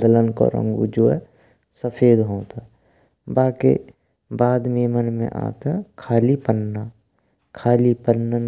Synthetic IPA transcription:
d̪ələnko̰ɾə̰̃ŋɡṵd͡ʒoːɛ̰ | səpʰeːd̪ɦõːt̪a | baːkḛ | baːd̪meːmənmḛ̃ʔa̰ːt̪akʰaːlipənːa | kʰaːlipənːəm

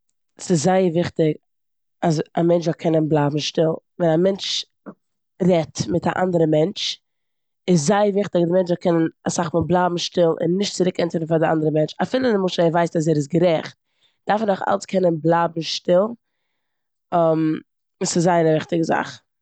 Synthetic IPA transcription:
sɪszaɪəɾvɪχtɪk | asamɛnt͡ʃvɔkʰɛnənblˠaːbm̩ʃtɪlˠ | vɛnamɛnt͡ʃ | ɾɛtmɪtaʔa̰ndəɾəmɛnt͡ʃ | ɪs̬zaɪəɾvɪχtɪkazdɪmɛnt͡ʃvɔkʰɛnənasaχfɪnblˠaːbm̩ʃtɪlˠɪ̰nːɪʃtt͡sɪɾɪkɛntəɾn̩faɾdɪʔa̰ndəɾəmɛnt͡ʃafiːlˠəɪnɪmʊʃəɛvaɪstas̬ɛːɾɪs̬ɡəɾɛχt̚ | d̥aɾfnaχa̰lˠskʰɛnənblˠaːbm̩ʃtɪlˠ | ɛm | sɪzːaɪəɾəvɪχtɪɡəza̰χ

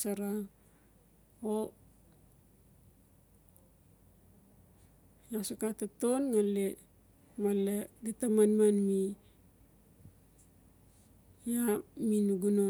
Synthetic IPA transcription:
saɾa | o | jasukatatonŋale | maledetamanmanmi | jaminuɡuno

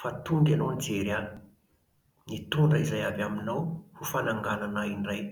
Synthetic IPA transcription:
fat̪uŋɡanonid͡zeɾan | nit̪uɳɖ͡ʐaizajavaminawhufanaŋɡananainraj

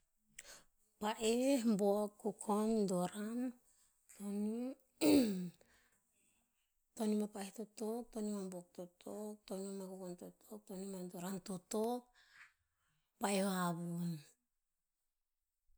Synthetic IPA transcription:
paʔehmbokːukʰondoɾan | toni | to̞nimapaehtotok̚tonimambok̚totʰok̚tonimamakukontotʰok̚tonimadoɾantotok̚ | pajoabun

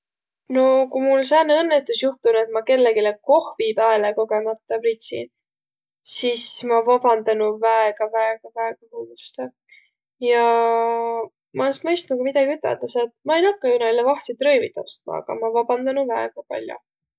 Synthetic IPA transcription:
no̞kumulsɑːnːeɤnːet̪ːˑusjuht̪unue̞t̪̚mɑke̞lːeɡileko̞hvipæeleko̞ɡe̞mɑt̪ːɑprit̪ʲsḭn | sismɑvɑb̥ɑnd̪ɑnuvæeɡ̥ɑvæeɡ̥ɑvæeɡ̥ɑhud̪ust̪ɑ | jɑ | mɑesmɤjst̪nukumid̪̥ɑɡ̥iyt̪ːˑḛt̪ɑset̪mɑejnɑkːˑɑjunɑilːevɑht̪sit̪rɤjvit̪ˑːɑ̰psi̥t̪mɑ̰ɑ̰ɡ̥ɑ̰mɑvɑbɑnd̪ɑnuvæeɡ̥ɑpɑ̰lʲjṵ

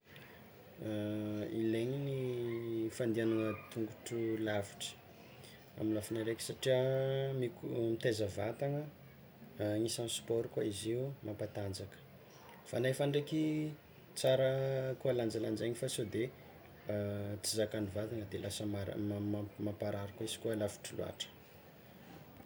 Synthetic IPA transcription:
ileɲini | fand̪ianaŋət̪uŋɡuʈ͡ʂulaviʈ͡ʂə̥ | a̰minlafinaɾekʲi̥saʈ͡ʂiəmikumit̪ezəvat̪aŋə | ŋisansu̥pɔɾikaiziumʔampat̪and͡zakə̥ | fanaefaɳɖ͡ʐekʲi | t͡saɾəkuəland͡zaland͡ʒaɲifasod̪e | t͡sizakanivat̪aŋəd̪elʔasəmaɾ̰ | mapaɾaɾakisi̥kuəlavu̥ʈ͡ʂilṵa̰ʈ͡ʂə̥

